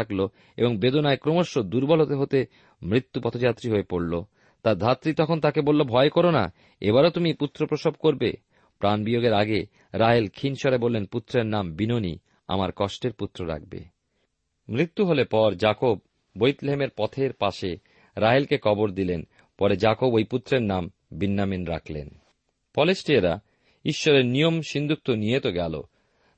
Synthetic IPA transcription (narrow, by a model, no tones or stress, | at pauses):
aklo | ḛboŋbed̪onaekɾomoʃːod̪uɾbɔlot̪eɦot̪e | mɾit̪ːupɔt̪ʰod͡ʑat̪ːɾiɦoepoɽlo | t̪aɾd̪ʱat̪ːɾit̪ɔkʰont̪akebolːobʱɔekoɾona̰ | eβaɾot̪umiput̪ːɾopɾoʃob̚koɾbḛ | pɾanbijoɡeɾaɡe | ɾaɦelkʰinʃɔɾebolːenput̪ːɾeɾnambinonḭ | a̰maɾkɔʃʈeɾput̪ːɾoɾa̰k̚bḛ | mɾit̪ːuɦolepɔɾd͡ʑakobː | ojt̪leɦemeɾpɔt̪ʰeɾpaʃe | ɾaɦelkekʰɔboɾd̪ilen | pɔɾed͡ʑakobojput̪ːɾeɾnam | binːaminɾa̰kʰlḛn | pɔlesʈieɾa̰ | iʃːɔɾeɾnijomʃind̪ʱuk̚t̪onijet̪oɡɛlo̰